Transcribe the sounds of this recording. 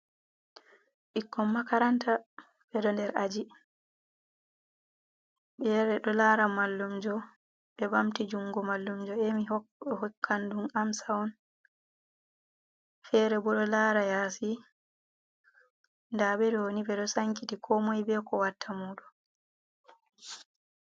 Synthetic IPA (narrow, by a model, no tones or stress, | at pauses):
ɓikʰːɔmːakaɾanta | bɛɗɔndɛɾʔad͡ʒi | ɓɛɾɛɗɔlaɾamalːumd͡ʒɔ | ɓɛbamtid͡ʒuŋɡɔmalːumd͡ʒɔɛmihɔkʰːandunamsawɔn | fɛɾɛbɔɗɔlaːɾajasi | ndabɛdonibɛɗɔsaŋkitikʰɔmɔjbɛkɔwatʰːamuːɗɔ